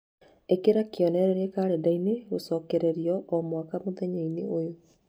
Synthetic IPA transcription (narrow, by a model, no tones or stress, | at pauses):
ekeɾakeɔnɛɾɛɾɛkaɾɛdaineɣosɔkɛɾeɾiɔʔɔmwakamoðɛɲeineojo